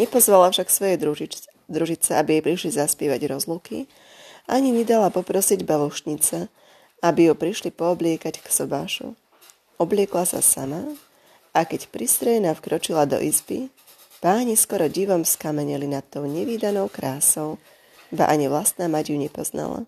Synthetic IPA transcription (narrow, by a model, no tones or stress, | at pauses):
ɲɛpɔzʋalafʃaksʋɔjɛ | d̪ɾuʒit͡sɛabijɛjpɾiʃlizaspɪɛːʋaɟɾɔzluki | ʔaɲiɲɛd̪alapɔpɾɔsiɟbaluʃɲit͡sa | abijupɾiʃlipɔːblɪɛkacksɔbaːʃṵ | ɔblɪɛklasa̰sama | akɛcpɾist̪ɾɛjnafkɾɔt͡ʃilad̪ɔ̰ʔizbi | b̥aːɲiskɔɾɔɟiʋɔmskamɛɲɛlinat̪ːɔʊɲɛʋiːd̪anɔʊkɾaːsɔʊ | ba̰ʔaɲiʋlast̪̚naːmaɟuɲɛpɔzna̰la̰